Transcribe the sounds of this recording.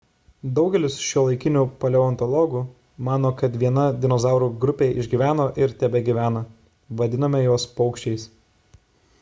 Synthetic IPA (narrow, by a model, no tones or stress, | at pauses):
d̪ɒʊɡʲɛlʲɪsʃʲulˠɐɪkʲɪnʲuːpɐlʲɛɔnt̪ɔlˠɔɡuː | mɑːnoːkɐt̪ʋʲiɛnɐd̪ʲɪnɔzɑˑʊɾuːɡɾʊpʲeːɪʒʲɡʲiʋʲæːnoːʔɪɾt̪ʲɛbʲɛɡʲiʋʲæːnɐ | ʋɐd̪ʲɪnɐmʲɛjoːspɒʊkʃʲt͡ʃʲɛɪs